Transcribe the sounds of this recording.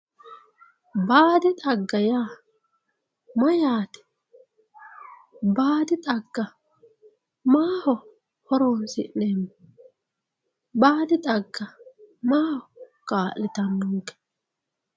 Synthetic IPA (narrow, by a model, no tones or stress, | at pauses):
baːd̪ɪt̪ʼɐɡːɐjaː | mɐjaːt̪ɛ̥ | baːd̪ɪt̪ʼɐɡːɐ | maːhɔ | hɔɾoːnsɪʔneːmːɔ | baːd̪ɪt̪ʼɐɡːɐmaːhɔ | kʼaːʔɪt̪ɐnːɔŋkɛ̥